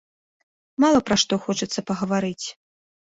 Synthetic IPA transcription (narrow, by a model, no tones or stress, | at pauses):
malˠɐpɾɐʂt̪ɔxɔt͡ʂɐt̪sːɐpɐɣɐvaɾɨt͡sʲ